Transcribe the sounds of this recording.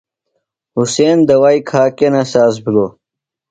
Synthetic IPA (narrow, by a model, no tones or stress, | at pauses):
huseːnd̪ɐwajkʰaːkenasaːs̬biloː